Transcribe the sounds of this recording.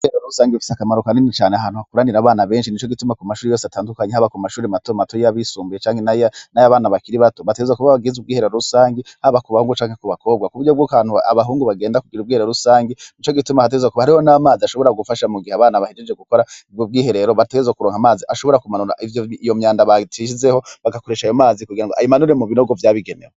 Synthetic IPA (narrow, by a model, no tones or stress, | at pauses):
ieɾeɾousaːŋɡefi̥sakamaɾukaninit͡ʃaːneaɦaːn̥uhakuɾaniɾaβaːnaβe̞ːnʃinit͡ʃoɡitumakumaʃuːɾijo̞ːseataːndukaɲehaβakumaʃuːɾimatomatojaβisuːmbijet͡ʃaːŋhenanajaβaːnaβakiɾiβatoβateɡezekuβaβaɡizub̚ɡiːhe̞ɾeɾoɾusaːŋɡehaβakuβahuːŋɡut͡ʃaːŋhekuβako̞b̚ɡakuβuɾɟobɡokaːn̥hua̰βaɦuːŋɡuβaɡeːndakuɡiɾubɡiːheeɾousaːŋɡenit͡ʃo̞ɡitumahat̬eɡezwekuβahaɾiho̞namaːziaʃo̞βo̞ɾaɡufaʃamuɡiheaβaːnaβahed͡ʒed͡ʒɡe̞ɡuko̞ɾaob̚ɡiːhe̞ɾe̞ɾo̞βateɡezwekuɾoːŋamaːziʔaʃoβo̞ɾakumanuɾa̰ʔivjoijo̞mɲaːndaβatiʃizeho̞βaɡako̞ɾeʃaijo̞maːzikuɡiɾaŋɡoʔa̰jimanuɾemuβinoɡo̞vjaːβiɡenḛwe